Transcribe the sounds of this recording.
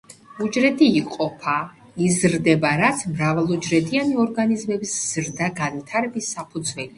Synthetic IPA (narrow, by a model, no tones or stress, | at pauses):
ud͡ʒɾɛd̪ʰiːqʼɔpʰa | izɾd̪ɛbaɾat̪sʰmɾavalˠud͡ʒɾɛd̪ʰianiɔɾɡanizmɛbisz̥ɾd̪aɡanvit̪ʰaɾɛbisːapʰud̪zwɛli